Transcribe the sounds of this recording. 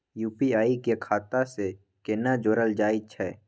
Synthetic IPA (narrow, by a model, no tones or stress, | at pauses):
juːpiaːikekʰaːt̪ase | kenad͡ʒoːɾəld͡ʒaːɪt͡ʃʰɛː